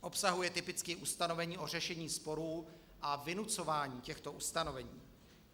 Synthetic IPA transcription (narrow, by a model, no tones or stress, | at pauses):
ʔo̞psaɦujɛt̪ɪpɪt͡skɪʔust̪ano̞vɛɲiːʔo̞r̝ɛʃɛɲiːspo̞ɾuː | ʔavɪnut͡so̞vaːɲiːcɛxt̪o̞ʔust̪ano̞vɛɲiː